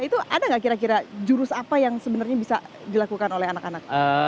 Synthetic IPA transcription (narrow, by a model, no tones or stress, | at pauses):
it̪uʔadaŋɡaʔkiɾak̬iɾad͡ʒuɾʊsapajaŋsəbənarɲabisa | dilakukanolɛhanakanak̚ə